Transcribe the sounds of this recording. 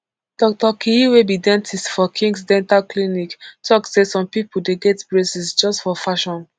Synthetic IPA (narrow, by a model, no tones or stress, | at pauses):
d̥ɔk̚tɔkʰiiwebidɛ̃ntʰistfɔkʰĩŋɡs̬dɛ̃ntalkliniktʰɔksesɔ̃mpipuldeɡɛtblesisd͡ʒɔstfɔfaʃɔ̃n